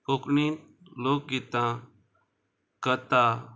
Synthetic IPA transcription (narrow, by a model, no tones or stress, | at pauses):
poknit̪̚ | lok̚ɡit̪ã | kət̪a